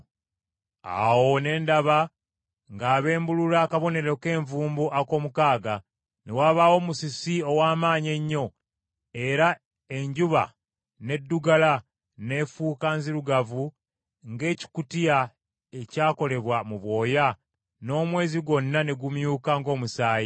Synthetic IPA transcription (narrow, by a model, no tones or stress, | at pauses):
a̰wo̞ne̞ːndaβa | ŋɡaːβe̞ːmbululakaβo̞ne̞ɾo̞ke̞ːɱvuːmbuʔako̞ːmukaːɡa | newaːβawo̞ːmusisio̞waːmaːɲe̞ɲːo̞ | e̞ɾa | e̞ɲɟuβa̰ | ne̞dːuɡala | ne̞ːfuːkaːnziɾuɡavu | ŋɡe̞ːci̥kutija | e̞caːko̞le̞βwamuβwo̞ːja | no̞ːmwe̞ːziɡo̞nːane̞ɡumjuːkaŋɡo̞ːmusaːji